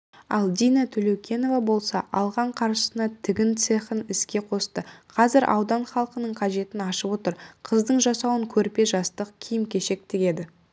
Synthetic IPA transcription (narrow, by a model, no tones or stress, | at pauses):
ɑlˠd̪ijnɑt̪ʰɵlewkʲʰe̞no̞vɑbo̞lˠsɑʔɑlˠʁɑɴqʰɑɾʃə̥sənɑt̪ʰɪɡʲɪnt̪se̞χənɪskʲe̞qʰo̞st̪əqʰɑzɪɾʔɑ̰wd̪ɑnχɑlˠqənəɴqʰɑʒe̞t̪ɪnɑʃəpwo̞t̪əɾqʰəzd̪əɴʒɑsɑwəŋkʲʰɵɾpe̞ʒɑst̪əq̚kʲʰijɪmkʲe̞ʃe̞k̚t̪ɪɡʲe̞d̪ɪ